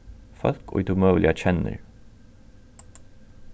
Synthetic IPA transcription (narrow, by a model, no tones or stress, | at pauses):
fœlkʰɔ̰ʏt̪ʰʊmøːlʔɪæçɛnə̰ɾ